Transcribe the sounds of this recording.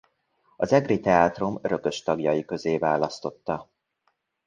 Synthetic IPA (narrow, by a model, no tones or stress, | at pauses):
ɒzɛɡrit̪ɛaːt̪ro̞møɾø̞kø̞ʃt̪ɒɡjɒjikø̞zeːvaːlɒst̪o̞t̪ːɒ